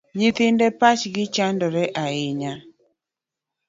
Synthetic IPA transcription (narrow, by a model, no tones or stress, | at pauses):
ɲɪt̪ɪndɛpat͡ʃɡɪt͡ʃandɔɾɛʔaɪɲa